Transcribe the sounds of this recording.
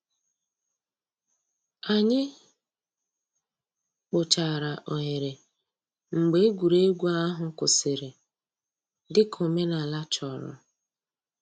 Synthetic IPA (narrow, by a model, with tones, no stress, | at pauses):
a˨ɲɪ˦ | k͡pʊ˨t͡ʃa˨ɾa˨ʔo˨ɲe˨ɾe˨ | ŋ͡m̩˨ɡ͡be˦e˦ɡʷu˨ɾe˦ɡʷu˦a˦ɦʊ˨kʊ˨sɪ˨ɾɪ˨ | dɪ˦kʰo˨me˦na˨la˦t͡ʃɔ˨ɾɔ̰˨